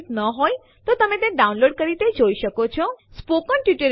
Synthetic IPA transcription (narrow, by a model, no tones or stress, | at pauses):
t̪nəɦoj | t̪ot̪əmẽt̪ẽɖaunloɖkəɾit̪ed͡ʒoiʃəkot͡ʃʰɔspokəɳʈjiʈəɾ